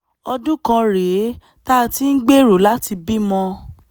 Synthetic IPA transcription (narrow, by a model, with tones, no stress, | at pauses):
ɔ˧dũ˦kã˧ɾe˨˦ | ta˦˨ti˨˦n̩˦ɡ͡be˦ɾo˨la˨˦ti˧bi˦mɔ̃˧